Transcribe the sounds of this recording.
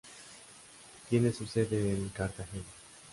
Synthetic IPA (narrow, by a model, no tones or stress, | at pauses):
kinesused̪eːnkaɾkaɦe